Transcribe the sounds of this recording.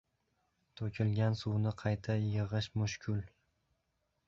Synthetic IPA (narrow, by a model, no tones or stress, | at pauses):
t̪ʰokʲʰɪlɡʲansuwnɪqʰɑjt̪ʰajɨʁɨʃmʊʃkʲʰʊl